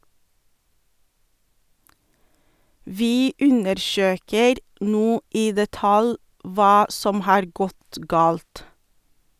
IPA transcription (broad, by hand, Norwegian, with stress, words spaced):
ˈʋiː ˈʉnəɾˌʃøːkəɾ ˈnuː ˈiː dɛˈtɑl ˈʋɑː ˈsɔm ˈhɑːɾ ˈɡɔt ˈɡɑːlt